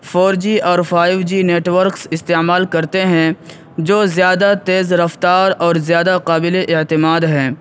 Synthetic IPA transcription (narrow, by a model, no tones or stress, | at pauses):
fɔːɾd͡ʒiʔɔːɾfaːɪʋd͡ʒiːneːʈwəɾksɪst̪eːmaːlkɐɾt̪eɦɛ̃ | d͡ʒoːzjaːd̪at̪eːzɾɐft̪aːɾɔːɾzjaːd̪aqaːbɪleʔɪt̪ɪmaːd̪ɦɛ̃ː